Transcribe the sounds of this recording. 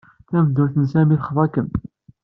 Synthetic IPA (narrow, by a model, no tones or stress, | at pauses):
θæmd̪ːʊɾθənsæmiθχəðˤɑkən